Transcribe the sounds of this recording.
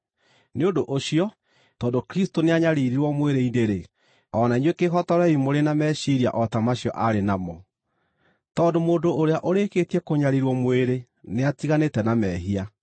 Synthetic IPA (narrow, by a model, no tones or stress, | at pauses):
neondoʔoɕijɔ | tɔːndokɾistoneaɲaɾiɾiɾwɔmweɾeideɾe | ɔnaiɲwekeɦɔtɔɾɛimoɾenamɛɕiɾia̰ʔɔtamaɕjɔʔaɾenamɔ | tɔːndomoːndoʔoɾeaʔoɾekeːtiɛkoɲaɾiɾwɔmweɾe | neatiɣanetɛnamɛːɦia